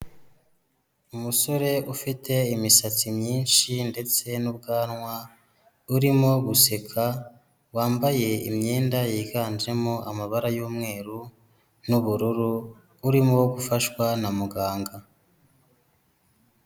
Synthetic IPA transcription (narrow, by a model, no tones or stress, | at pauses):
umuso̞ɾe̞ufitʰe̞imisat͡simɲiːnʃinde̞t͡se̞nubɡaːnŋwa | uɾimoɡuse̞kʰa | waːmbaje̞ḭmɲeːndajiːɡaːnd͡ʒɾe̞moʔamaβaɾajuːmŋe̞ːɾu | nuβuɾuɾuː | ɾimowoɡufaʃwanamuɡaːŋɡa